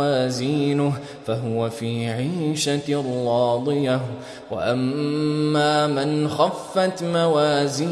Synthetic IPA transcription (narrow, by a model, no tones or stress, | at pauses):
aːziːnʊh | faɦʊwafiːʕiːʃarˤːɑːd̪ˤɨja | wa̰ʔamː | aːmɪnxafːat̪mawaːziː